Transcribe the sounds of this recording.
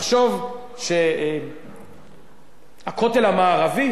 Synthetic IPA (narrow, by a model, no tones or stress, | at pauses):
χʃo̞v | ʃe | hako̞t̪e̞lhamaːʁavi